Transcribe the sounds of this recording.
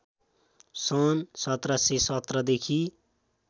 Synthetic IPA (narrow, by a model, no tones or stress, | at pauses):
sʌnsʌt̪rasesʌt̪rʌd̪ekʰi